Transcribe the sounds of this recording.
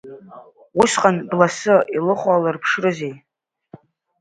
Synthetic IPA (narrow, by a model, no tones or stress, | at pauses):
wʊʃqʼanblasɨilɨχʷalɨrpʰʂrɨzej